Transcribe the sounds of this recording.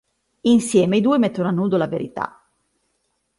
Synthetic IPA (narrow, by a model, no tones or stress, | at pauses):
insjɛːmeid̪uːemet̪ːenoanːuːd̪olaveɾḭt̪a̰